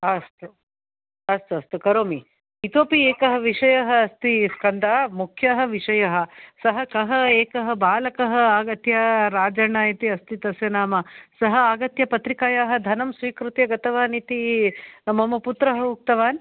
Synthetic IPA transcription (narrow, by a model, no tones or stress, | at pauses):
ɐst̪u | ɐst̪ɐst̪ukɐɾoːmi | it̪oːpieːkɐɦɐ̆ʋiʂɐjɐɦɐ̆ɐst̪iskɐnd̪aːmukʰjɐɦɐ̆ʋiʂɐjɐɦɐ̆sɐɦɐkɐɦɐeːkɐɦɐ̆baːlɐkɐɦɐaːɡɐt̪jɐɾaːd͡ʒɐɳaːjɐt̪iɐst̪it̪ɐsjɐnaːmɐsɐɦɐaːɡɐt̪jɐpɐt̪ɾikaːjaːɦɐ̆d̪ʱɐnɐmsʋiːkɾut̪jɐɡɐt̪ɐʋaːnit̪inɐmɐmɐput̪ɾɐɦɐuk̚t̪ɐʋaːn